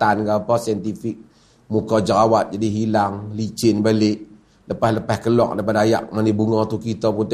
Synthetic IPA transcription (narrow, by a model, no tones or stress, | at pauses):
anɡapɔsiənt̪ifɪk̚ | mukɔd͡ʒəɾawat̪̚d͡ʒadiɦilaŋlit͡ʃɪnbalɪʔ | ləpahləpɛhkəlɔk̚dapadaja̰k̚manibuŋɔt̪ukit̪ɔpunt̪